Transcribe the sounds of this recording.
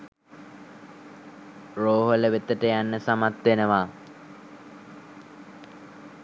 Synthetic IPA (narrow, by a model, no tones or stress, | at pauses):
roːɦoləʋet̪əʈəjanːəsamat̪ʋenəʋaː